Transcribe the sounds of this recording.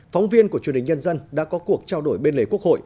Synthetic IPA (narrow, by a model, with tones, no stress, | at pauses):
fa˨˦wŋ͡mvi˧ənku˧˩ət͡ɕwə˩nhi˨˩ɲə˧nzə˧nɗa̰ː˧˥kɔ˨˦ku˨˩ək̚t͡ɕaː˧wɗo˧˩jɓe˧nle˨˦ku˦˥ək̚ho̰˧˨j